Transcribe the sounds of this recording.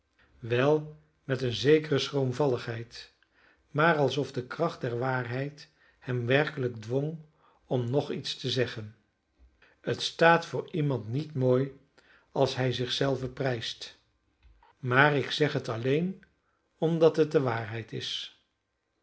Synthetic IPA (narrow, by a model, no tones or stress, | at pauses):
ʋɛlˠ | mɛtənzejkərəsrowmvɑləχɦɛjt | maːrɑlˠsɔvdəkrɑχt̚dɛɹʋaːɹɦɛjt | hɛmʋɛɹkələɡdʋɔŋ | ɔmnɔχitstəzɛχən | ətstaːtfʊːɹimɑntnitmoːj | ɑlˠsɦɛjzɪχsɛlˠvəprɛjst | maːrɪksɛχɦətɑlejn | ɔmdɑtɦət̚dəʋaːɹɦɛjtɪs